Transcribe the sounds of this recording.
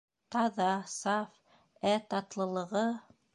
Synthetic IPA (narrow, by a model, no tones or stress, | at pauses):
t̪ɑðɑsɑf | æt̪ɑt̪lˠɤ̆lˠɤ̆ʁɤ